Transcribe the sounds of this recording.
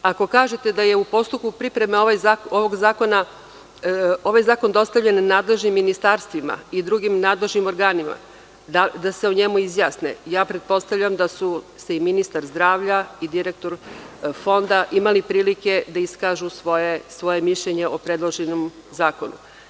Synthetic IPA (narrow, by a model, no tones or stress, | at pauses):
ako̞kaːʒet̪ed̪aje̞upo̞st̪up̚kupɾipɾe̞meoʋajzaoʋoɡzaːko̞na | o̞ʋajzaːko̞nd̪o̞st̪avʎe̞nːaːd̪le̞ʒnimːinist̪aːɾst̪ʋima̰id̪ɾuɡimnaːd̪le̞ʒnimo̞ɾɡaːnima̰ | d̪ad̪aseoɲe̞muizjaːsnḛjaːpɾe̞t̪̚po̞st̪avʎamd̪asuse̞iminist̪aɾzd̪ɾaːʋʎaid̪iɾek̚t̪o̞ɾfo̞nd̪aʔimalipɾiːlike̞d̪aiskaːʒusʋojesʋo̞je̞miʃʎeɲe̞ʔopɾed̪lˠoʒenom | zaːko̞nṵ